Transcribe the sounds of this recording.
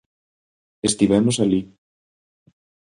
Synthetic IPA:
est̪iβɛmosali

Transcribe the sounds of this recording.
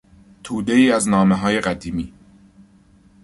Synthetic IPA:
t̪ʰuːd̪e̞iːæznɒːmeɦɒːje̞ɢæd̪iːmiː

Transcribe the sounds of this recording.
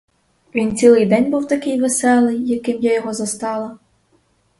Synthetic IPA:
ʋʲint̪t͡sʲilˠɪjd̪ɛnʲbuwt̪ɐkɪjʋesɛlˠɪjːɐkɪmjajɔɦɔzɐst̪ɑlˠɐ

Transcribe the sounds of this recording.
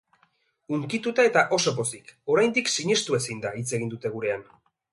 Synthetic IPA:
uŋkit̪ut̪ae̞t̪aʔo̞so̞po̞siko̞ɾajnd̪iksiɲe̞st̪ue̞sind̪ait͡se̞ɣind̪ut̪e̞ɣuɾe̞an

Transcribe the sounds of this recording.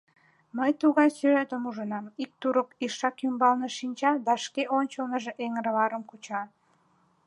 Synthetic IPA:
məjt̪uɣɑjsyʒet̪əmuʒənɑmik̚t̪uɾəkiʃɑkymbɑlneʃinʲt͡ɕɑd̪ɑʃkeʔonʲt͡ɕəlnəʒeʔeŋəɾβɑɾəmkut͡ɕɑ

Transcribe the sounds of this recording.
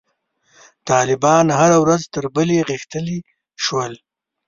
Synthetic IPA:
t̪ɑːlɪbɑnhaɾawɾazt̪əɾbəleɣɪxt̪əli | ʃwəl

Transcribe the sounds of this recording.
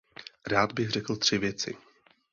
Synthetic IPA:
ɾaːd̪bɪɣrɛkl̩t̪r̝̥ɪvjɛt͡sɪ̰

